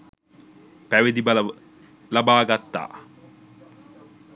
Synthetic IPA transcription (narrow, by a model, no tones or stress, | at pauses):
pæʋed̪ibɐl | lɐbaːɡat̪ːa̰ː